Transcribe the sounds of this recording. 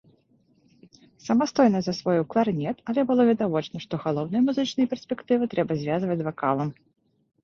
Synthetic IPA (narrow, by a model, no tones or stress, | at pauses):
sɐmast̪ɔjnɐzɐsvɔjuklˠarnʲɛt̪ɐlʲɛbɨlˠɔvʲɛd̪avɔt͡ʂnɐʂt̪ɔɣalˠɔwnɨjɐmuzɨt͡ʂnɨjɐpʲɛrsʲpʲɛkt̪ɨvɨt̪ɾɛbɐzʲvʲazvɐt͡sʲvakalˠɐm